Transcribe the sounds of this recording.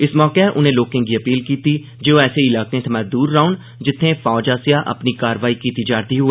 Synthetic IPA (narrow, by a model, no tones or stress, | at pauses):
ɪsmɔːkeʔʊnẽːloːkẽːɡiːəpiːlkiːt̪iː | d͡ʒeːoɛːseɪlaːkẽt̪ʰəmɛ̃ːd̪uːɾːaːʊn | d͡ʒɪt̪ʰːẽːfʰɔːd͡ʒaːsjaːʔə̰pniːkaːɾʋaːiːkiːt̪iːd͡ʒaːɾd̪iːɦʊeː